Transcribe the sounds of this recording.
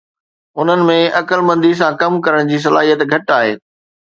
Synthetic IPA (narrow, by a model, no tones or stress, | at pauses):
ɦʊn̤ənɪ̆mẽɐkəlmɐ̃nd̪is̬ãkɐmkɐɾəɽ̃d͡ʑiːs̬ɐlaːɦijət̪ɡʱɐʈaːɦḛː